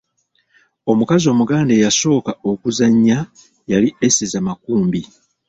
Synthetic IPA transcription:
o̞mukazo̞ːmuɡaːndejaso̞ːkao̞kuzaɲːa | jaliesezamakuːmbi

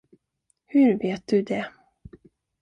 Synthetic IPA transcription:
hɵɾveːt̪̚d̪̥ɵd̪ɛ

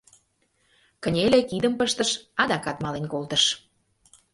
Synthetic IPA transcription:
kə̆nʲelĕkid̪ə̆mpəʃt̪ə̆ʃɑd̪ɑkɑt̪mɑlenkolt̪ə̆ʃ

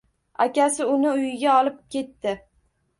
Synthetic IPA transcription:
a̰kʲasɪʊnɪʊjɪɡʲaɒlˠɪp̚kʲʰe̞t̪ːɪ

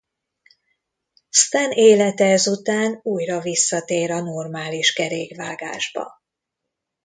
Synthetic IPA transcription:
st̪ɛneːlɛt̪ɛɛzut̪aːnuːjrɒvisːɒt̪eːɾɒnormaːliʃkɛɾeːɡvaːɡa̰ːʒbɒ̰

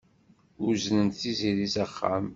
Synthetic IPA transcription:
ʊznənθiziɾisɑχːa̰m

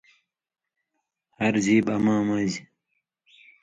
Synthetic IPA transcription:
hɐɾziːbɐmãːmɐzi

